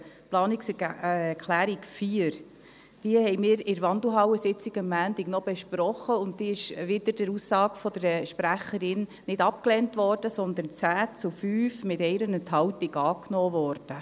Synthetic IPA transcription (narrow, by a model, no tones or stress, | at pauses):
plɑːnikskʰlæːɾikfiəɾ | d̥iəhɛjmɪːɾɪɾʋɑnd̪l̩ɦɑwəsɪt͡sɪɡəmːæːnd̥iɡnɔb̥eʃpɾɔχːəʊntdiɪʃʋɪd̪əɾd̥əɾusːɑːɡfɔd̥əɾʃpɾæχəɾɪn | nɪdɑp̚klɛntʋɔrd̥əsɔnd̪ənt͡sæːt͡sʊfyːfmɪtɛɪɾənəntɦɑwtiɡɑːknɔːʋɔrd̥ə